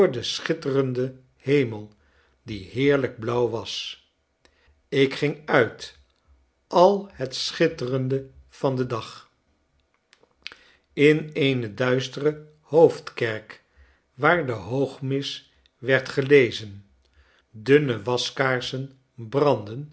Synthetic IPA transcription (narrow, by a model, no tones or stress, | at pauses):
ɹdəsχɪtərəndə | hejməlˠ | diɦɪːɹləɡ̚blʌwʋɑs | ɪkχɪŋœɥt | ʔɑlˠhətsχɪtərəndəv̥ɑndədɑχ | ɪnejnədœɥstərə | howftkɛɹk | ʋaːɹdəɦowχmɪs | ʋɛɹtχəlejzən | dɵnəʋɑskaːɹsən | brɑndən